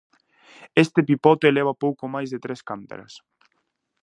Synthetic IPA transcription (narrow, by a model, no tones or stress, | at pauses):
est̪epipɔt̪eːleβ̞apowkomajzðet̪ɾeskant̪a̰ɾa̰s